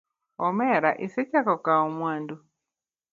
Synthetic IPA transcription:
ɔmɛɾaʔiset͡ʃakɔkaomwaːndu

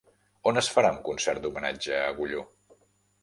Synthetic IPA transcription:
onəsfəɾauŋkunsɛrt̪̚d̪umənad͡ʒəːɣuʎo

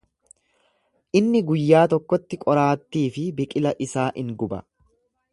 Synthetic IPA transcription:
ʔɪnːɪɡʊjːaːt̪ɔkːɔt̪ːɪkʼɔɾaːt̪ːiːfɪbɪkʼɪlɐʔɪsaːʔɪŋɡʊbɐ̰

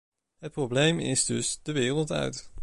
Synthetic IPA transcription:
ɦət̚prowblejmɪ̰zdɵsd̥əʋɪːrəlˠtœ̰ɥt

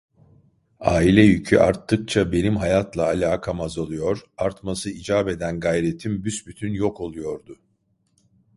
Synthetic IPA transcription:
a̰ːilʲɛjycʰy̰ʔa̰ɾt̪ːɯk̚t͡ʃʰabe̞nimɦajat̪lˠaːlʲaːkʰamazolˠujo̞ɾaɾt̪masɯid͡ʒaːbe̞d̪ænɡajɾe̞t̪ʰimbysbyt̪ʰynjo̞kʰo̞lˠujo̞ɾd̪ʊ

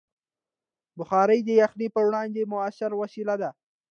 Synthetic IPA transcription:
bʊxɑɾəjd̪əjaxnipəwɽɑnd̪emʊaʃɪɾwasilad̪a

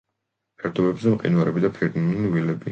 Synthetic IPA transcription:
pʰɛɾd̪ɔbɛbzɛmqʼḭnwaɾɛbid̪apʰɛɾt̪inulivilɛbi

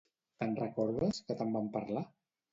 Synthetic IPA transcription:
t̪ənrəkɔɾðəskət̪əmbampaɾla

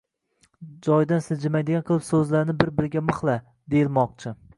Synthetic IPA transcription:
d͡ʒɒjd̪ansɪzd͡ʒɪmajd̪ɪɡʲanqʰɨlˠɪpsɵzlaɾnɪbɪɾbɪɾɪɡʲamɨχlˠa | d̪ejɪlˠmɒq̚t͡ʃʰɪ

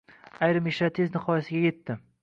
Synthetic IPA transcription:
ajɾɪmeʃɾat̪ʰɪznɪhɒjasɪɡʲaje̞t̪ʰːɪ

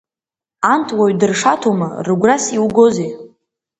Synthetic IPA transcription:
antʰʼwaɥdɨrʂatʰoma̰rɨɡʷrasiwɡoze

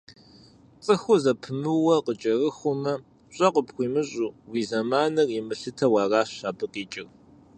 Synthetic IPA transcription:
t͡sʼɨxʷʊzɐpʰɨmɨwɐqət͡ʃʼɐrɨxʷʊmɐ | ɕʼɐqəpxʷiːmɨɕʼuːwiːzɐmaːnɐrɪmɨɬɨtʰɐwɑːraːɕaːbɨqʼiːt͡ʃʼɪr

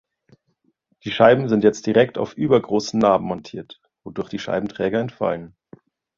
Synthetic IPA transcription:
d̥iːʃaɪbm̩zɪntjɛt͡st̚d̥iʁɛkta̰ʊfʔyːbɐɡʁoːsn̩naːbm̩mɔntʰiːɐt | v̥odʊɐçd̥iːʃa̰ɪbm̩tʁ̥ɛːɡɐɛntfa̰lən

